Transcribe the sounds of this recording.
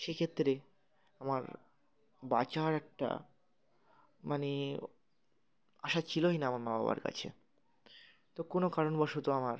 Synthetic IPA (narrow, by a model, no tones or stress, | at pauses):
ʃekʰet̪ːɾe | amaɾ | bat͡ɕaɾɛk̚ʈa̰ | mane | aʃat͡ɕʰiloinaamaɾmaba̰ba̰ɾka̰t͡ɕʰḛ | t̪okonokaɾonbɔʃut̪oamaɾ